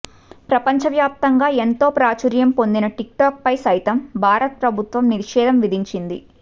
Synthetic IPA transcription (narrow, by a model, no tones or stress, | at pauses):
pɾɐpɐɲt͡ʃɐʋjaːp̚t̪ɐŋɡaːe̞nt̪o̞ːpɾaːt͡ʃuɾjɐmpo̞nd̪inɐʈik̚ʈaːk̚pɐjsɐjt̪ɐmbʱaːɾɐt̪̚pɾɐbʱut̪ʋɐmniɾɐʂɛːd̪ʱɐmʋid̪ʱiɲt͡ʃind̪ḭ